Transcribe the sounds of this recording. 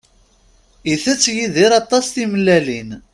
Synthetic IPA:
iθæt͡sːjiðiɾɑt̪ˤːɑsθiməlːælin

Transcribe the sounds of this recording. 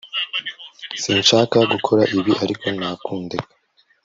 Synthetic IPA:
siːnʃaːkaɡukʰo̞ɾaʔiβiʔaɾikʰo̞naːkuːndekḁ

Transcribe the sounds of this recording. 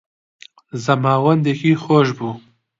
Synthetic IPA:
zɐmaːwɐnd̪ekixoːʃ̬bu

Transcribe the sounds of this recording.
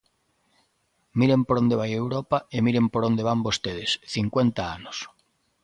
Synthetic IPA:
miɾempoɾond̪eβajewɾɔpaemiɾempoɾond̪eβ̞ambost̪eð̞esθiŋkwent̪aanos

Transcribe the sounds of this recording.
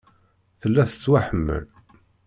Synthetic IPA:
θəlːæθə̥t͡sːwaħəmːə̰l

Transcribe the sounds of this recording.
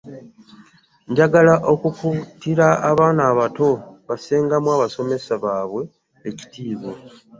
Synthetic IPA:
ɲɟaɡalaʔo̞kukutiɾaːβaːnaːβato̞βaseːŋɡamwaːβaso̞me̞saβaːβwe̞ː | ci̥tiːβo

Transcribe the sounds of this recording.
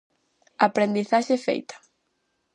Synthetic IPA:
apɾend̪iθaʃefḛjt̪ḁ

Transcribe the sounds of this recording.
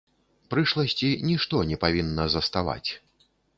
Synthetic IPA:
pɾɨʂlˠɐsʲt͡sʲinʲiʂt̪ɔnʲɛpavʲinːɐzɐst̪ava̰t͡sʲ

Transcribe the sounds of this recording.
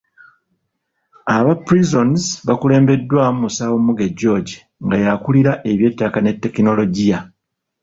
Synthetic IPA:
aβapɾizo̞nzβakule̞ːmbe̞dːwaːmusawomuɡeɟːo̞ːɟi | ŋɡajakuliɾaʔe̞βje̞ːtːakane̞tːe̞kino̞lo̞ɟija

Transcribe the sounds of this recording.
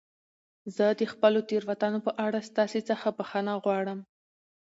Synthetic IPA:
zəd̪əxpəlot̪eɾwat̪ɑnopəʔaɽast̪ɑset͡səxapəxanaɣwɑɽəm

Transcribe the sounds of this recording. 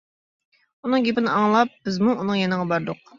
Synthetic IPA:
unɨŋɡʲepɪnɪʔɑŋlˠɑp̚b̥ɪzmuʔunɨŋjenəʁɑbɑɾd̪ʊq̚

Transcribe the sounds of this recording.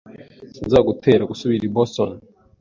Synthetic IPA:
sinzaɡutʰe̞ːɾaɡusuβiɾiboston

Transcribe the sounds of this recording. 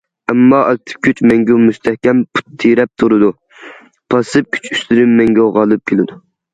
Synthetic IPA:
ɛmːɑʔɑk̚ʲt̪ʰɨ̥p̚kʲʰyt͡ʃmɛŋɡʲɛmust̪ʰɛhkʲɛmpʰu̥t̪ʰːiɾɛp̚t̪ʰuɾɨd̪u | pʰɑsɨp̚kʲʰy̥t͡ʃʰyst̪yɾɪmːɛŋɡʲɛoʁɑlˠɨp̚kʲʰelɪd̪u

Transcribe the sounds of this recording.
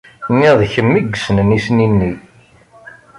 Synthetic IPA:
nːiðçəmːiɡsənənisninːi

